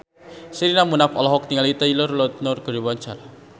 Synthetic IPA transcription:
siɾinamunafɔ̰lɔɦɔk̚t̪iŋalit̪ailɔrlɔt̪̚nʊrɡ̥ə̤ɾiwant͡ʃala

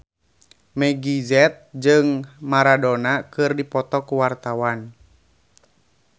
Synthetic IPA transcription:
mɛɡizɛt̪̚d͡ʒɨŋmaɾadɔnakɨrdipɔt̪ɔkuwart̪awan

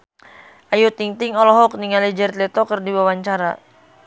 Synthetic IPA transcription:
ʔajut̪iŋt̪ɪŋɔlɔɦɔk̚niŋalid͡ʒɛrt̪lɛt̪ɔkərdiwawaɲt͡ʃaɾa̰

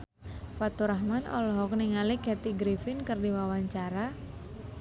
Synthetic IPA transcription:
fat̪uɾaɦmanɔ̰lɔɦɔkniŋalikɛt̪iɡɾifɪnkərdiwawaɲt͡ʃaɾa

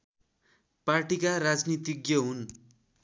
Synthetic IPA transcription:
parʈikaɾad͡znit̪iɡjʌɦun

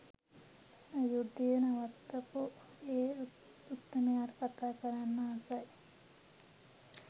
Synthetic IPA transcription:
əjud̪ːijənaʋat̪ːapu | eː | ut̪ːəmejaːɾəkat̪aːkəɾanːaasaj

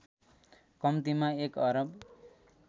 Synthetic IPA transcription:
kʌmt̪imaekʌɾʌb

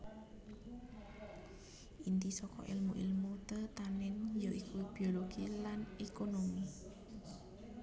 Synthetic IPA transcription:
ʔint̪isɔkɔ̰ʔḭlmuʔilmut̪ət̪anɪnjoʔikʰub̥ioloɡ̥ilanekonomi

